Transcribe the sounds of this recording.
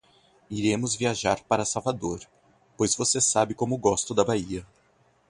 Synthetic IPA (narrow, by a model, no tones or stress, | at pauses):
iɾẽmʊzviaʒaɾpaɾɐsawvad̪oɾ | pojzvosesabɪkõmʊɡɔst̪ʊd̪ɐbaiɐ